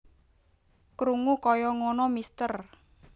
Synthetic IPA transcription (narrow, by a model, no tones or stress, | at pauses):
kɾuŋukɔjɔŋɔnɔmist̪ər